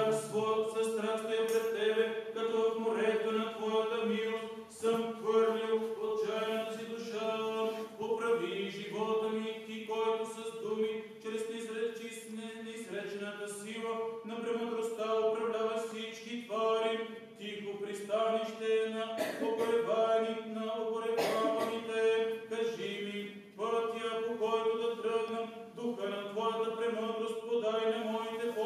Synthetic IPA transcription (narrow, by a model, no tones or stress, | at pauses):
ksvɔjt̪sɐst̪ɾast̪ɛjɐpɾɛst̪ɛbɛkɐt̪ɔvɐfmoɾɛt̪ənɐt̪vɔjɐt̪əmilost̪ | səmxvəɾlʲilˠot̪̚t͡ʃajɛnosid̪ʊʃapopɾɐviʒivɔt̪ənit̪ikɔjt̪ʊsɐzd̪umit͡ʃɾɛst̪isɾɛt͡ʃisnɛnisɾɛt͡ʃnət̪əsilˠənɐpɾɛmod̪ɾost̪aopɾɐvd̪avɐfsit͡ʃkit̪vaɾi | t̪ipopɾist̪aniʃt̪ɛnɐopoɾɛbaninɐopoɾɛpavɐnit̪ɛkɐʒivi | vəɾt̪iakokɔjt̪od̪ɐt̪ɾəɡnɐm | d̪uxənɐt̪vɔjɐt̪ɐpɾɛmɔd̪ɾost̪̚pod̪aɾinɐmɔit̪ɛp